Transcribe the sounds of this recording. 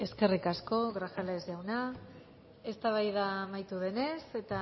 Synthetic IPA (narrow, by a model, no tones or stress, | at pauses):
e̞ske̞rikasko̞ɣɾaxaleezʝawna | e̞st̪aβ̞ajðamajt̪uðe̞ne̞se̞t̪a